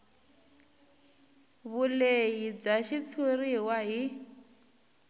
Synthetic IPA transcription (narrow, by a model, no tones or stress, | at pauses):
βulejib͡ʐaʃit͡sʰuriwaɦi